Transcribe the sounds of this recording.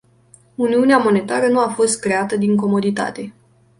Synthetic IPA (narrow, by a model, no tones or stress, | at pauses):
uniuneamo̞ne̞t̪aɾənuafo̞st̪̚kɾe̞at̪əd̪iŋko̞mo̞d̪it̪a̰t̪e̞